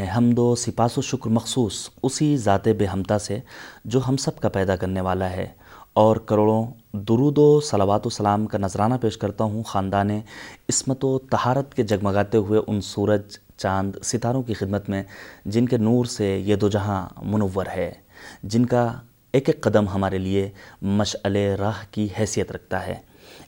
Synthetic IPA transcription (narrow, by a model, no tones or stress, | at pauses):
ɦɐmd̪osɪpaːsoʃʊkɾmɐxsuːsʊsizaːt̪ebeːɦɐmt̪ased͡ʒoːɦɐmsɐb̚kapɛːd̪akɐɾneʋaːlaɦɛ̰ː | ɔːɾkɐɾoːɽõ | d̪ʊɾuːd̪osɐlaːʋaːt̪osɐlaːmkanɐzɾaːnapeːʃkɐɾt̪aɦũxaːnd̪aːnẽɪsmət̪ot̪ɐhaːɾət̪ked͡ʒɐɡmɐɡaːt̪eɦʊeʔʊnsuːɾəd͡ʒ | t͡ʃãːnd̪sɪt̪aːɾõkixɪd̪mət̪mẽd͡ʒɪnkenuːɾsejed̪od͡ʒɐɦãmʊnəʋːəɾɦɛː | d͡ʒɪnka | eːkkqːɐd̪əmɦɐmaːɾeliemɐʃəleɾaːɦkiɦɛːsijət̪ɾɐk̚ʰt̪aɦɛ̰ː